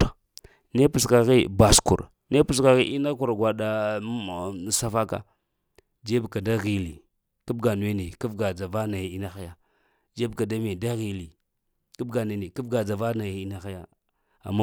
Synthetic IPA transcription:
ne˦pu˨ska˨ɣi˦ba˨skṵ˨ɾ | ne˦pu˨s̬ka˨ɣi˦ʔi˦na˦ku˨ɾɡʷa˨da˨˦˨ | sa˦fa˦ka̰˦ | d͡ʒe˦bka˨da˦ɣi˨li˨ | ku˦bɡa˨n˨we˦ne˨ku˦fɡa˨d͡za˨va˦na˨ja˨i˦na˦xa˦ja˦ | d͡ʒe˦bka˨da˦me˨da˦ɣi˨li˨ | ku˦bɡa˨n˨e˨ne˨ki˦vɡa˨d͡za˨va˦na˨ja˨˦i˦na˦xa˦ja˦ | a̰˨mːa˦

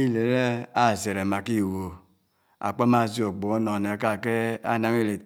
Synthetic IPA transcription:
i˦le˨˦e˦a˦˨ze˨ɾe˨ma˨ki˦˨wo˨ | a̰˨k͡pɔ˦ma˦˨zi˦o˨ɡ͡bo˨˦no˨ne˨ka˦˨ke˦a̰˦˨na˦ŋ˦i˦˨le˨

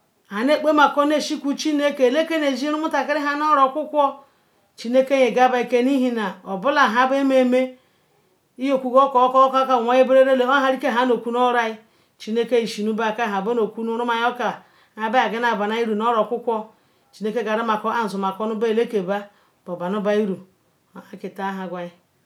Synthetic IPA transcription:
ha˨ne˦˨k͡pe˦ma˨kɔ˦n˦e˨ʃi˦ku˨t͡ʃi˦ne˦ke˨le˦ke˦ne˨d͡ʒi˦ɾu˦mu˦ta˨ka˦ɾi˦ɦa˦n˦o˦ɾo˨kʷu˦kʷɔ˦ | t͡ʃi˨ne˦ke˦je˨ɡa˦ba˨i˨ke˦ni˦ɦi˦na˨o˨bu˦la˨ɦa˦be˦me˦˨me˦ | i˦jo˨kʷu˨ɡo˦kɔ˨˦kka˦ka˨ŋʷa˨je˦be˦ɾe˦ɾe˦le˨o˦ɦa˨ɾi˦ke˦˨a˦no˨ku˦n˦o˦ɾa˦i˦ | t͡ʃi˨ne˦ke˦i˨ʃi˨nu˦ba˦˨ka˦˨ɦa˨bo˦no˨ku˦nu˦ɾu˦ma˨jo˦ka˨ | a˨be˦a˨ɡe˦na˨ba˨na˦i˦ɾu˨no˦ɾo˨kʷu˦kʷɔ˦ | t͡ʃi˨ne˦ke˦ɡa˨ɾi˦ma˨kɔ˦a˦˨zu˨ma˨kɔ˦nu˦ba˦˨le˦ke˨ba˦ | b̥o˨ba˨nu˦ba˨i˦ɾu˨ | a˨ki˨ta˨˦ɦa˨ɡʷa˨i˦

